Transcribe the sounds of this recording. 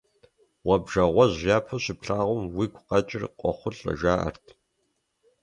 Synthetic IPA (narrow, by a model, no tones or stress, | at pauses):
wɐbʒɐʁʷɔʑʒaːpʰɐɕɪpɬaːʁʷʊmwiːkʷʰʊqɐt͡ʃʼɪrqʷʼɔ̰χʷʊɬʼɐ̰ʒaːʔɐ̰rtʰ